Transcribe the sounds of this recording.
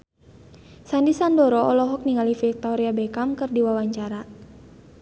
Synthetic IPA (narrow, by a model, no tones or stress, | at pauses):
sandisandɔɾɔʔɔlɔɦɔk̚niŋalifik̚t̪ɔɾiabɛkamkɨrdiwawaɲt͡ʃaɾa